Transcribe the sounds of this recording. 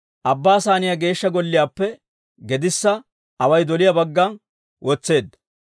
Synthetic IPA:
ʔɐbːaːsaːnɪjaɡe̞ːʃːɐɡɔlːɪjaːpːɛ | ɡɛd̪ɪsːɐ | ɐwɐjd̪ɔlɪjɐbɐɡːɐn | wʔoːt͡sːe̞ːd̪ːɐ̥

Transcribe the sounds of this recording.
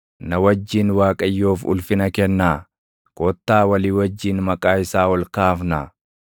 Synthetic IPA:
nɐwɐd͡ʒːiːnwaːkʼɐjːoːfʊ̰lfɪnɐkɛnːaː | kʼɔt̪ːaːwɐliːwɐd͡ʒːiːnmɐkʼaːɪsaːwɔlkaːfna

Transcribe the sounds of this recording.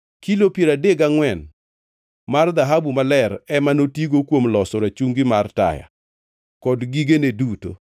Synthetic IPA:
kilopjeɾadeɡaŋwɛn | mard̪aɦabumalɛɾɛmanotjiɡokwomlɔsɔɾat͡ʃuŋɡimarta̰ja̰ | kɔdɡiɡeneduto̰

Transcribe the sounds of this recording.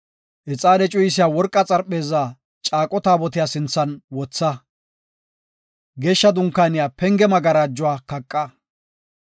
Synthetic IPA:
ʔɛt͡sʼaːd̪ɛt͡ʃʼʊjɪsɪjaːwɔɾkʼːɐt͡sʼɐɾpʼːe̞ːzaː | t͡ʃʼaːkʼːɔt̪aːbɔt̪ɪjaːsɪnt͡sːɐnwɔt͡sːɐ | ɡeːʃːɐd̪ʊŋkːaːnɪjaːpɛŋɡɛmɐɡɐɾaːd͡ʒːʊwaːkɐkʼːɐ

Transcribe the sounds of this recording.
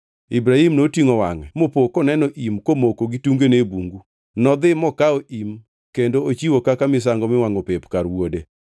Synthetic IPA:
ibɾaimnotiŋowaŋɛmopokɔnɛnɔʔimkomokoɡituŋɡenebuŋɡu | nɔd̪ɪmɔkaoʔim | kendoot͡ʃiwokakamɪs̬aŋɡɔmɪwaŋopepkaɾwode

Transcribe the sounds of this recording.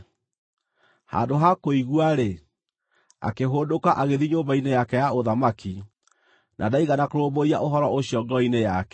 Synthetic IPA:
ha̰ːndoɦakoiɣwaɾe | a̰keɦoːdokaʔaɣeðiɲoːmbainejakɛjaoðamaki | nʔa̰daiɣanakoɾoboɾia̰ʔoɦɔɾɔʔoɕjɔɡɔinejakɛ

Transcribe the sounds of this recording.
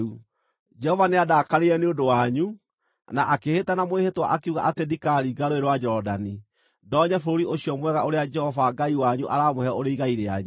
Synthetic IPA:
u | d͡ʒɛhɔvaneadaːkaɾeɛneodowaɲu | naʔakehetanamoehetwa̰ʔakeuɣa̰ʔatedikaɾiɡaɾoeɾowad͡ʒɛɾɔdani | dɔːɲɛfoɾoɾiʔoɕiɔmwɛɣaoɾead͡ʒɛhɔvaɡaiwaɲuʔaɾaːmohɛɔoɾeiɣaiɾeaɲu

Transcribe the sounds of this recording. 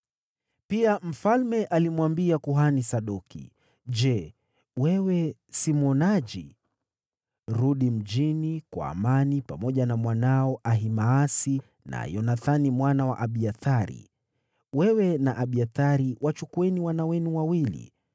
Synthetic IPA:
piam̩falmɛʔalimwambiakuɦanisaɗukḭ | ʄɛ | wɛwɛsimwɔnaʄi | ɾuɗim̩ʄinikwa̰ːmanipamɔʄanamwanaɔʔaɦimaːsi | na̰jɔnaθanimwanawa̰ʔaɓiaθaɾḭ | wɛwɛnaʔaɓiaθaɾiwat͡ʃukuɛniwanawɛnuwawilḭ

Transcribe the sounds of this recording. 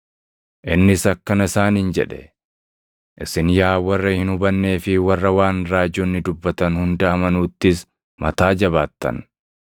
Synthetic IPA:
ʔɪnːɪsɐkːɐnɐɪsaːniːnd͡ʒɛᶑɛ̥ | ʔɪsɪnjaːwɐrːɐhɪnhʊbɐnːe̞ːfɪwɐrːɐwaːnɾaːd͡ʒoːnːɪd̪ʊbːɐt̪ɐnhʊnd̪ɐɐmɐnuːt̪ːɪs | mɐt̪aːd͡ʒɐβaːt̪ːɐ̰n

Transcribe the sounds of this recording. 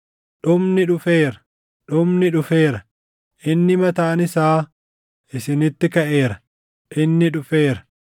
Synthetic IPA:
ᶑʊmnɪᶑʊfeːɾɐ̥ | ᶑʊmnɪᶑʊfe̞ːɾɐ | ʔɪnːɪmɐt̪aːnɪsaː | ʔɪsɪnɪt̪ːɪkɐʔe̞ːɾɐ̥ | ʔɪnːɪᶑʊfe̞ːɾɐ̥

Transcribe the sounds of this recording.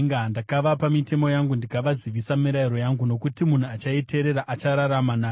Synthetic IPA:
ŋɡaɦndakaʋapamite̞mo̞jaŋɡundikaʋaziʋisamiɾaiɾo̞jaŋɡuno̞kutimun̤uat͡ʃaite̞ɾe̞ɾaʔat͡ʃaɾaɾamanaː

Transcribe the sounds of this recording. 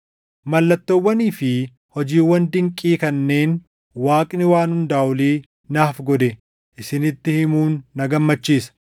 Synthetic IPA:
mɐlːɐt̪ːɔwːɐniːfɪ | hɔd͡ʒiːwːɐnd̪ɪŋkʼːiːkɐnːe̞ːn | waːkʼnɪwaːnhʊnd̪aːʔʊliː | naːfɡɔd̪ɛ | ʔɪsɪnɪt̪ːɪhɪmuːnːɐɡɐmːɐt͡ʃːiːsɐ̥

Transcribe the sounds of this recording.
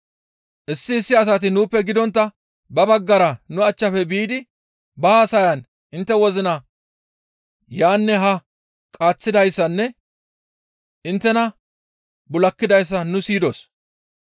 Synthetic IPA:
ʔɪsːɪːsːɪɐs̬ɐt̪ɪnuːpːɛɡɪd̪ɔnt̪ːɐ | bɐbɐɡːɐɾɐnʊɐt͡ʃːɐfɛbiːd̪ɪ | baːsɐjɐn | ʔɪnt̪ːɛwɔzɪnɐ | jaːnːɛɦɐ | kʼaːt͡sːɪd̪ɐjsːɐnːɛ | ʔɪnt̪ːɛnɐ | bʊlɐkːɪd̪ɐjs̬ːɐnʊsiːd̪o̰ːs

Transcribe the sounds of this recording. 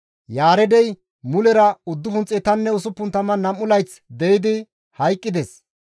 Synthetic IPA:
jaːɾɛd̪ɛj | mʊlɛɾɐʊd̪ːʊfʊnt͡sʼɪt̪ɐnːɛʊsʊpːʊnt̪ɐmɐnɐmːʊlɐjt͡s | d̪ɛjɪd̪ɪ | hɐjkʼːɪd̪ɛs

